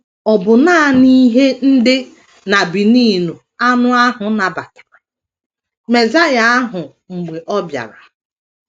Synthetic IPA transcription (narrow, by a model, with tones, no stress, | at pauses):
ɔ˨bʊ˨naː˦˨ni˦ɦe˦n̩˦dɪ˦ | na˨bi˨niː˦˨nu˨ | a˦nʊ˦a˦ɦʊ˨na˨ba˨k | me˨za˦ja˨a˦ɦʊ˨ | ŋ͡m̩˨ɡ͡be˨ʔɔ˦bja̰˨ɾa˨